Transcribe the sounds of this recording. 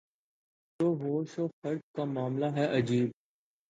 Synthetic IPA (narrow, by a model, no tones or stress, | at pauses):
t̪oːɦoːʃoːxəɾd͡ʒkaːmaːmlaːɦɛʔəd͡ʒiːb̚